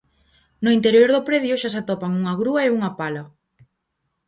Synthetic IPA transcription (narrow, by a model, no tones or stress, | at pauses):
nʊint̪eɾjoɾðʊpɾeðjʊʃas̬at̪ɔpaŋuŋɐɣɾuɐeuŋɐpalɐ